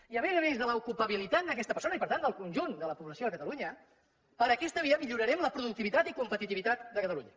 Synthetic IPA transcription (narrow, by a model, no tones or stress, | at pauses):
iəmɛzəmẽnzðələukupəβilit̪at̪̚d̪əkɛst̪əpəɾsonəipəɾt̪and̪əlˠkunʲʒund̪ələpuβləsioðəkət̪əluɲə | pəɾəkɛst̪əβiəmiʎuɾəɾɛmləpɾuðukt̪iβit̪at̪ikumpət̪it̪iβit̪at̪d̪əkət̪əlṵɲə